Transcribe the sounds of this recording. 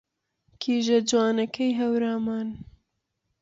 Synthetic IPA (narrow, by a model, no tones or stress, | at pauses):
kʰiːʒɐd͡ʒwaːnɐkɛjɦɐwɾaːmaːn